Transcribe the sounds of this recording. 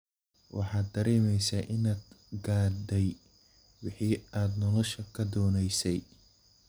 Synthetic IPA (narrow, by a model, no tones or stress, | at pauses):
wʔɑ̰ħɑːd̪ːɐɾɛːmɛjsaːʔɪnaːd̪ɡaːd̪ɛj | wɑħiːaːd̪nɔlɔʃɐkʰɐd̪ɔːnɛjsɛj